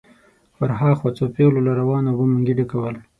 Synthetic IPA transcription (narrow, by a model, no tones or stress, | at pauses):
faɾɦɑxwat͡sopelolaɾawɑnobuməŋɡiɖikawəl